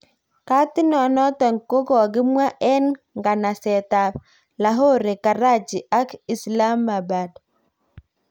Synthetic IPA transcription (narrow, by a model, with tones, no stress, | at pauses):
ka˦tɪ˦nɔ˨nɔ˦tɔ˨ŋ˨ko˦ɡɔ˨ɡɪ˦mwa˦ʔɛ˦n | ŋɡa˨na˨sɛ˨ta˨p | la˨ɦo˦˨ɾe˨ka˨ɾa˦˨d͡ʒi˨a˦ki˨sla˦mːa˨ba˨d